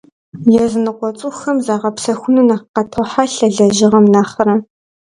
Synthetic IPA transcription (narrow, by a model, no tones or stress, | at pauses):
jɛzɨnɨqʷʼɔt͡sʼʊxɐmzaːʁɐpsɐxʷʊnunaqqɐtʰɐħaɬɐɮɐʑɪʁɐmnaːχɐɾɐ